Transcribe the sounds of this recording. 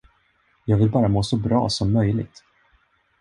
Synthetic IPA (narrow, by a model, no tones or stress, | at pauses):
jɑːɡvɪlbɑːɾamoːsɔbɾɑ̰ːsɔmːœjlɪ̰ɡ̚t̪